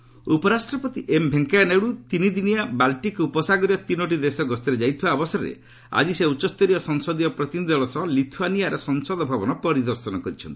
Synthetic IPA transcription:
upɔɾasʈɾɔpɔt̪iʔembʱeŋkajaneɽut̪inid̪inijabalʈikupɔsaɡɔɾiɔt̪inoʈ̬id̪esɔɡɔst̪iɾed͡ʒajt̪ʰibaːbɔsɔɾɔɾḛ | a̰d͡ʒiseut͡ʃːɔst̪ɔɾijɔsɔŋsɔd̪ijɔpɾɔt̪inid̪ʱɔɭɔsɔɦlit̪ʰuanijaɾɔsɔŋsɔd̪ɔbʱabɔnɔpɔɾid̪ɔɾsɔnɔkɔɾit͡ʃʰɔnt̪i̥

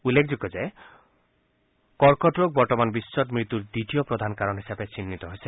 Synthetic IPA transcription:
ulːekʰd͡ʒuɡɔd͡ʒae | kɔɾkɔʈɾok̚bɔɾʈɔmanbisːɔtmɾit̪uɾd̪iʈ̪ijopɾod̪ʱankaɾɔnɦisabet͡ɕinːit̪ɔɦojsʰie

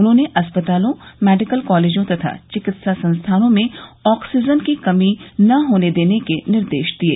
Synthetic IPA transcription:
ʊnɦõːneʔɐspət̪aːlõmɛːɖɪkəlkɔːleːd͡ʒõt̪ɐt̪ʰa̰t͡ʃɪkɪt̪sasɐ̃nst̪ʰaːnõmẽɔːksid͡ʒənkikɐminɐɦoːned̪eːnekenɪɾd̪eːʃd̪iḛː

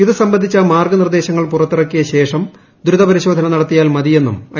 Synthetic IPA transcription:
iðɨsɐmbɐnd̪ʱit͡ɕːɐmaːrɡɐnird̪e̞ːɕɐŋːɐɭpurɐt̪ːirɐkːijɐɕe̞ːʂɐm | d̪uɾuðɐpɐɾiɕo̞ːd̪ʱɐnɐnɐɽɐt̪ːijaːlmɐðije̞nːṵmɐ̰

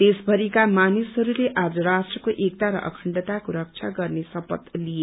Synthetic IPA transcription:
t̪esbʱʌɾikamanisɦʌɾuleʔad͡zʌɾasʈrʌkoʔek̚t̪aɾʌ̰ʔʌ̰kʰʌɳɖʌt̪akoɾʌk̚t͡sʰaɡʌrnesʌpʌ̰t̪lije

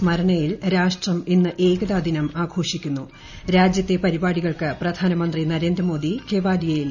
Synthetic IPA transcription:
smɐɾɐɳɐjilɾaːʂʈrɐminːɨʔe̞ːɡɐðaːd̪ʱinɐmaːɡʱo̞ːʂikʲːunːu | ɾaːd͡ʑjɐt̪ːe̞pɐɾibaːɽiɣɐɭkɨprɐd̪ʱaːnɐmɐnd̪rinɐɾe̞ːnd̪ɾrɐmo̞ːd̪ike̞ːʋaːlijɐjil

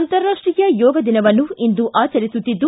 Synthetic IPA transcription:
nt̪ɐɾːaːʂʈɾijɐjɔːɡɐd̪inɐʋɐnːuind̪uʔaːt͡ʃɐɾisut̪ːid̪ːu

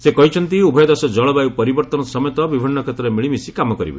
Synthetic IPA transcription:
sekɔɦit͡ʃʰɔnt̪iubʱɔjɔd̪ɔsɔd͡ʒɔɭɔbajupɔɾibɔɾt̪ɔnɔsɔmjɔt̪ɔbibʱinːɔkʰet̪ɾɔɾemiɭimisikamɔkɔɾḭbḛ

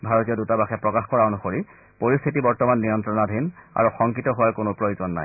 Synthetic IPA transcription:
bʱaɹɔtijɔdutabaxɛpɹɔkaxkɔɹaonuxoɹi | poɹist̪ʰitibɔɹtɔmanːijɔntɹɔnadʱina̰ɹuxɔŋkitɔɦʊwaɹkonopɹojozɔnːa̰j

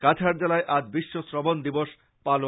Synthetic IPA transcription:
kat͡ɕʰaɾd͡ʑelaeʔad͡ʑbiʃːosɾɔbond̪iboʃ | palo

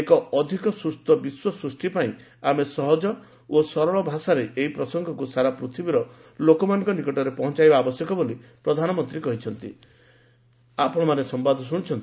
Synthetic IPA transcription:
ekɔɔd̪ʱikɔsɾust̪ɔbiswɔsɾusʈipaĩ | amesɔɦɔd͡ʒɔ | osɔɾɔɭɔbʱasaɾeʔeɦipɾɔsɔŋɡʱɔkusaɾapɾut̪ʰibiɾɔlokɔmanɔŋkɔnikɔʈɔɾepɔɦɔ̃nt͡ʃajbaːbɔsjɔkɔbolipɾɔd̪ʱanɔmɔnt̪ɾikɔɦit͡ʃʰɔnt̪ḭ | apɔɽ̃ɔmanesɔmbad̪ʱɔsuɽ̃it͡ʃʰɔnt̪i

